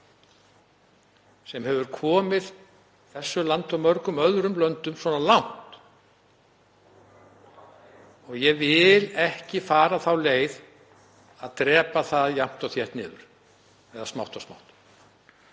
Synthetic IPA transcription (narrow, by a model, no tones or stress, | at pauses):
sɛmhɛvʏɾkʰɔːmɪð | θɛsːʏlant̪ɔmœɾkʏmœðɾʏmlœnt̪ʏmswɔnalawn̥t̪ | ɔɣjɛvɪlɛhcɪfaːɾaθawleːjð | aðt̪ɾɛːpaθaðjam̥t̪ɔwθjɛht̪nɪːðʏ̰ɾ̥ | ɛðasmawht̪ɔsma̰wht̪